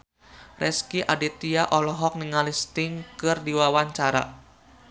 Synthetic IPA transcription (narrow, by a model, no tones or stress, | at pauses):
rɛskiʔadit̪iaʔɔlɔɦɔk̚niŋalist̪ɪŋkɨrdiwawaɲt͡ʃaɾa̰